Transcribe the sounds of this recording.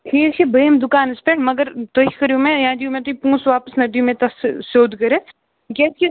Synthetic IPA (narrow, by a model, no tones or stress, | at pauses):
kiːkebeːmd̪ʊkaːnɪspeʈmɐɡəɾt̪oikɐɾjumẽjãːd̪ijũmẽt̪oipũːsʋaːpəsnɐʈijũmẽt̪ɐssoːd̪ʱkɐɾẽː | kɛski